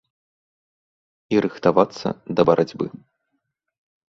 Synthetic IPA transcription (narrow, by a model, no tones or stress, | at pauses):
iɾɨxt̪avat̪sːɐ̰d̪ɐbɐɾʔad͡zʲbɨ̰